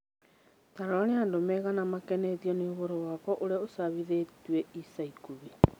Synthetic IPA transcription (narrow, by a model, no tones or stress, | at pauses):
taɾɔneandomɛɣanamakɛnɛtiɔneoβoɾɔwakɔʔoɾeosaβiðetwɛisaikuβi